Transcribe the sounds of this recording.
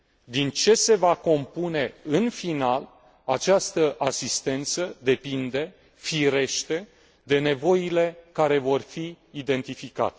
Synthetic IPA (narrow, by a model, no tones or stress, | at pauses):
d̪int͡ʃe̞se̞vako̞mpune̞ɨnfinal | at͡ʃast̪əʔasist̪e̞nt̪səd̪e̞pind̪e̞ | fiɾe̞ʃt̪e̞ | d̪e̞ne̞vo̞ile̞kaɾe̞vo̞rfiː | d̪e̞nt̪ifika̰t̪e